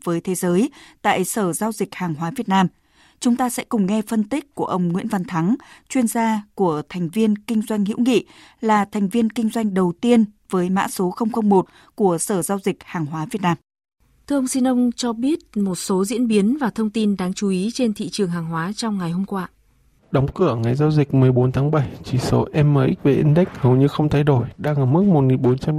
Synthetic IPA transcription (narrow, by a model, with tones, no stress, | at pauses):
v̥əː˨˦jt̪ʰe˨˦zəː˨˦jt̪a̰ː˧˨jsəː˧˩zaː˧wzï˨˩k̚haː˨˩ŋɦwaː˨˦vi˨˩ət̚naː˧m | t͡ɕʊ˨˦ŋ͡mt̪aː˧sɛ̰˧˥kʊ˨˩ŋ͡mŋɛ˧fə˧nt̪i˦˥k̚ku˧˩əʔə˧˩wŋ͡mŋḭ˧˥ənva˧˩nt̪ʰa˨˦ŋt͡ɕwi˧ənzaː˧ku˧˩ət̪ʰɛ˨˩jŋ̟vi˧ənkï˧ŋ̟zwa˧jŋ̟hḭ˧˥wŋḭ˧˨ | laː˨˩t̪ʰɛ˨˩ŋ̟vi˧ənkï˧ŋ̟zwa˧jŋ̟ɗə˨˩wt̪i˧ənvəː˨˦jma̰ː˧˥so˨˦xə˧wŋ͡mxə˧wŋ͡mmo˨˩t̚ | ku˧˩əsəː˧˩zaː˧wzi˨˩k̚haː˨˩ŋɦwaː˨˦vi˨˩ət̚naː˧m | t̪ʰɨ˧ʔə˧wŋ͡msi˧nʔə˧wŋ͡mt͡ɕɔ˧ɓi˦˥ət̚mo˨˩t̚so˨˦zḭ˧˥ənɓi˨˦ənvaː˨˩t̪ʰə˧wŋ͡mt̪i˧nɗaː˧ŋt͡ɕu˨˦ʔi˨˦t͡ɕe˧nt̪ʰḭ˧˨t͡ɕɨ˨˩əŋɦaː˨˩ŋɦwaː˨˦t͡ɕɔ˧wŋ͡mŋa˨˩jho˧mkwaː˧ | ɗə˨˦wŋ͡mkɨ̰˧˩əŋa˨˩jzaː˧wzï˨˩k̟̚mɨ˨˩əjɓo˨˦nt̪ʰaː˨˦ŋɓa˧˩jt͡ɕi˧˩so̰˨˦ʔɛ˧mːəː˧˨˩ʔi˦˥k̚ve˨˩ʔi˧ŋɗa˦˥k̟̚hə˨˩wɲɨ˧xə˧wŋ͡mt̪ʰa˧jɗo˧˩jɗaː˧ŋʔəː˧˩m˦˥k̚mo˨˩t̚ŋi˨˩nɓo˨˦nt͡ɕa˧m